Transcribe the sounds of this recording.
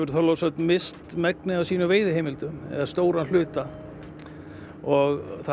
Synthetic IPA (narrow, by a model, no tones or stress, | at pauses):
ʏɾ̥θalowsœt̪nmɪst̪mɛknɪawsiːnʏveːjðɪɦejmɪlt̪ʏɛ̰ðḁst̪oːwɾanl̥ʏːt̪a | ɔɣθa